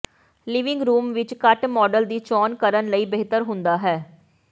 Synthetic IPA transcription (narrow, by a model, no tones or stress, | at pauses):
liːʋɪ̃ŋɡɾuːmʋɪt͡ʃkəʈmɔːɖəld̪iːt͡ʃɔːnkəɾənləiːbeːɦt̪əɾɦʊ̃nd̪aːɦɛː